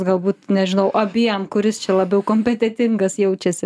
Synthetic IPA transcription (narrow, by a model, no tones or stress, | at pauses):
ɡɐlˠbuːt̪nʲɛʒʲɪnɐʊʔɐbʲiːɛmkʊɾʲɪst͡ʃʲɛlˠɐbʲɛʊkoːmʲpʲɛt̪ʲɛt̪ʲɪŋɡɐsjɛʊt͡ʃʲɛsʲɪ